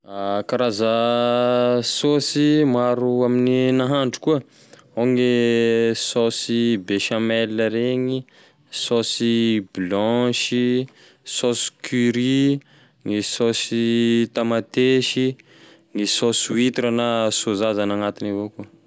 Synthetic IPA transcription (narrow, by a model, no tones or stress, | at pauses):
akaɾazə | sosimaɾuamininaɦaɳɖ͡ʐu̥kuə | oŋe | sosibeʃamɛləɾeɲi | sosiblɔʃi | sosi̥kʰyɾi | ŋisosit̪amat̪eʃi | ŋisosiwit̪iɾənasozazanaŋat̪inivokuə